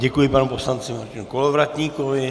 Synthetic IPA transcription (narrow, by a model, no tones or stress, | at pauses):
ɟɛkujɪpanuposlant͡sɪmaɾcʲɪnukolovɾat̪ɲiːkovɪ